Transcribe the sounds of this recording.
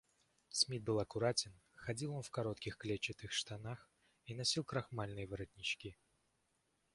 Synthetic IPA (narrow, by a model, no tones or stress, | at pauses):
smʲit̪̚bɨlˠɐkʊɾatʲɪn | xɐdʲilˠo̞nfkɐɾot̪kʲɪxklʲet͡ɕːɪt̪ɨxʂt̪ɐnax | in̪ɐsʲilˠkɾɐxmalʲnɨjəvɨɾɐt̪ʲnʲɪt͡ɕkʲi